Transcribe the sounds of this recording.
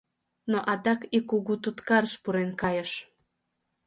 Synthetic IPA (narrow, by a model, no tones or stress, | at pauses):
noʔɑd̪ɑkikuɣut̪ut̪kɑrʃpuɾenkɑjəʃ